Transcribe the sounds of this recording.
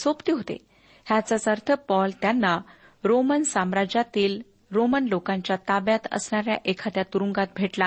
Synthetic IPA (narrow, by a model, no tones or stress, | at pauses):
sopt̪iɦot̪ḛ | hjat͡sat͡səɾt̪ʰəpɔlt̪janːa | ɾomənsamɾad͡ʑat̪iːl | ɾomənlokãɲt͡ɕjat̪abjat̪ə̰sɳaɾja̰ʔekʰat̪jat̪uɾuŋɡat̪̚bʱeʈla